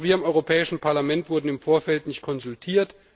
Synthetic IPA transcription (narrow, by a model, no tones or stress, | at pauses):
viːɐɪmʔɔʏʁopʰɛːɪʃn̩pʰaɐlamɛntv̥ʊɐdn̩ɪmfoːɐfɛltnɪçt̚kʰɔnzʊltʰiːɐt